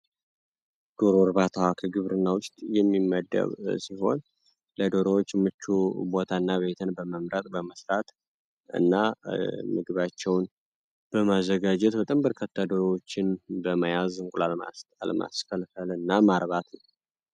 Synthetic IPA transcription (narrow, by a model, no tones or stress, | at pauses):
ɡ̥oɾoɾβat̪ʰawakʰəɡɨβɾɨnːawʊst̪ʼjɛmːimːəd̪ːə̰βsiɦo̞n | ləd̪oɾowot͡ʃːmɨt͡ʃːubo̞t̪ʰanːaβe̞t̪ʰɨnbəməmɾət̪ʼbəməsɾat̪ | ɨ̰nːamɨɡɨβat͡ʃːɛwn | b̥əmazːəɡad͡ʒɛt̪bət̪ʼəmbəɾkʰət̪ʰːad̪oɾowot͡ʃːɪnbəmajazɨŋkʼulala̰alə̰ma̰sfəlfəlɨnːamaɾβat̪nəw